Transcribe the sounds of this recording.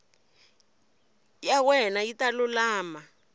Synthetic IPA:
jawɛnajitalʊlaːma

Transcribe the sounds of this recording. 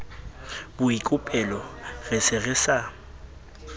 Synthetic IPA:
bʊikʼʊpʼɛlɔɣɛsɪɣɛsa

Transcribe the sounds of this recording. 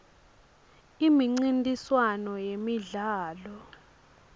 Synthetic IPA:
imiŋ͡ǀintʼiswanɔjemiɮaːlɔ

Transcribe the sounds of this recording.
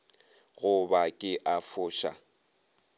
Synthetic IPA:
ɣʊbakʼɪʔafʊːʃa̰

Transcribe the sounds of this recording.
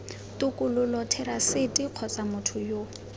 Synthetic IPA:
tʊkʼʊlʊlɔtʰɛrasɪtʼiq͡χʰɔt͡sʼamʊtʰʊjo

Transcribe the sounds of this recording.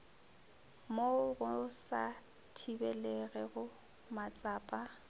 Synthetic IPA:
moɣʊsa | tʰibɛlɛɣɛɣʊ | mat͡sʼaːpʼa

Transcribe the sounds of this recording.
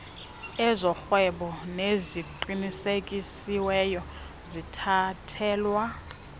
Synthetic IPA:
ɛzɔxwɛɓɔneziǃinisekʼisiwɛjɔ | zitʰatʰɛːlwa

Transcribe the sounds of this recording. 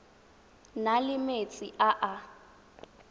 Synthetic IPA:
nalɪmet͡sʼiʔaʔa

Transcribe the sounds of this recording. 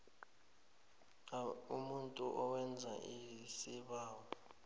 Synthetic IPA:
umuntʼuʔɔwɛnd͡zʱa̰ʔisiɓaːwɔ

